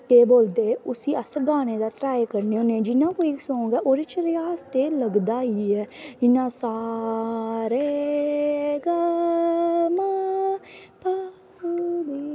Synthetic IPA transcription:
t̪eːboːld̪eːʊsiːəsɡaːneːd̪aːʈɾaːjkəɾneːoneːd͡ʒɪnãːkoːiksõːɡɛːʔoːɾɪt͡ʃɾɪaːst̪eːləɡd̪aːiːɛːd͡ʒɪnãːsaː | ɾeː | ɡa | ma | pa | d̪i

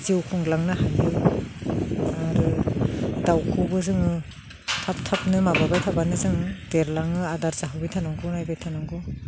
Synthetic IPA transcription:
ziwkʰuŋlaŋnɯɦajɯ | aɾɯ | dawkʰɯbɯzɯŋɯ | tʰap̚tʰap̚nɯmababajtʰabanɯzɯŋdeɾlaŋɯadaɾzaɦawbijtʰanaŋɡɔnajbajtʰanaŋɡɔ

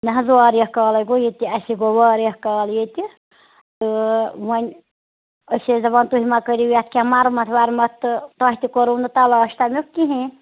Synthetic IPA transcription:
nɐɦzaːɾjɐhkaːlɐɡojet̪ʲːiɐsiɡoʋaːɾjɐhkaːljit̪ʲi | t̪ɨʋɐnʲ | əsʲezɐbant̪uɦimakəɾiwat̪̚ʰkʲãmɐɾmɐt̪ʰʋɐɾmɐt̪ɨt̪aɦʲt̪ikoɾuːnɨt̪ɐlaːʃt̪amʲukkiɦĩ

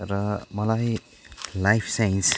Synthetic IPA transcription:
rʌmʌlaj | lajpʰsajns

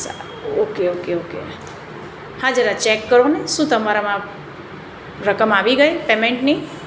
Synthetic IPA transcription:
okeokeokḛ | hãd͡ʒəɾat͡ʃekːəɾoneʃũt̪əmaɾamã | ɾəkəmaʋiɡəipemẽɳʈni

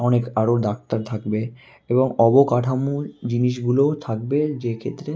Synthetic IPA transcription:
ɔnekaɾod̪ak̚t̪aɾt̪ʰakbe | eboŋɔbokaʈʰamud͡ʑiniʃɡulot̪ʰak̚bed͡ʑekʰet̪ːɾe

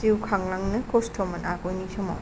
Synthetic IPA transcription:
iwkʰaŋlaŋnɯkɔstʰɔmɐnakojnisʰɔma̰

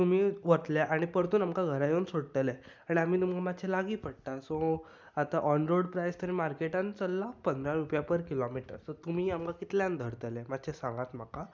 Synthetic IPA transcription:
t̪um̤iːʋəʈljaʔaɽ̃ipəɾt̪uːnamkaɡʱəɾajensoɽt̪əlɛaɽ̃iam̤iːt̪umkamadt͡ɕʰelaɡiːpəɽt̪asɔ | at̪aʔɔnɾoɽpɾajst̪aɾimaɾkeʈãnt͡səlːapənd̪ɾãɾupjapəɾkilɔmiʈəɾsɔt̪um̤iːamkakit̪ljãnd̪ʱəɾt̪əlɛmat͡ɕʰesãŋɡat̪m̤aka

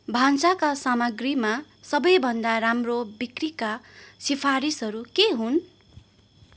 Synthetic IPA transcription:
bʱansakasamʌɡrima | sʌbʌjbʱʌnd̪aɾamrobikrikasipʰaɾisɦʌɾukeɦun

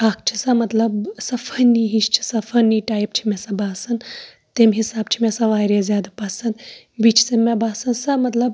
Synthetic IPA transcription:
akʰt͡ʃʰi̥sɐmɐt̪lɐbsɐfʰəniɦit͡ʃt͡ʃʰi̥sɐfʰɐniʈaːjp̚t͡ʃʰi̥mesɐbaːsɐn | t̪emɦisaːb̚t͡ʃʰimesɐʋaːjɾezʲjaːd̪apɐsɐnd̪ | bit͡ʃʰsɐmebaːsɐnsɐmɐt̪lɐb̚

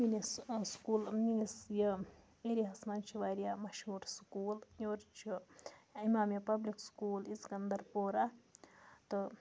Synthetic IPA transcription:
minisskuːlminisjə | eɾiɦɐsnaːnt͡ʃʰiʋaːɾijamɐʃhuːɾskuːljoːɾt͡ʃʰiimaːmjipɐblikskuːlizɡɐnd̪ɐɾpoːɾa | t̪ɨ

